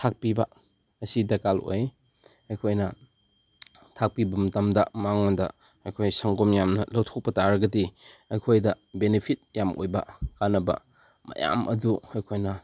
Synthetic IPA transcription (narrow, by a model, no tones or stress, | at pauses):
tʰak̚pibɐ | ɐsidɐkalo̰j | ɐjkʰojnɐ | tʰak̚pibɐmɐtɐmdɐmaŋnadɐ̰ | ɐjkʰojsɐŋɡomjamnɐlɐwtʰok̚pɐtaɾɐɡɐdiɐjkʰojdɐ | benepʰit̚jamʔo̰jbɐ̰kanɐbɐ̰ | mɐ̰ja̰mʔɐ̰duɐjkʰojnɐ